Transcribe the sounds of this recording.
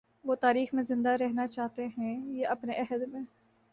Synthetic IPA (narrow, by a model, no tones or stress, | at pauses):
ʋoːt̪aːɾiːxmẽzɪ̃nd̪aɾɛɦnat͡ʃaːɦt̪eɦɛ̃jeʔɐpneʔɛɦəd̪mẽː